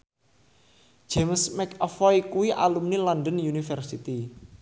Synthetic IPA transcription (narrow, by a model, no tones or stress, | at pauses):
d͡ʒʒ̥emsmɛkɔfɔjkuwiʔa̰lumnilɔnɖənjunifɛrsit̪i